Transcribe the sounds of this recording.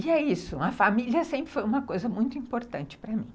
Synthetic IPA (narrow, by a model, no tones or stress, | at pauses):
ɪɛisʊɐfamiliɐsẽmpɾɪfojũmɐkojzɐmũj̃t̪ʊĩmpoɾt̪ɐ̃nt͡ʃɪ̥pɾɐmĩ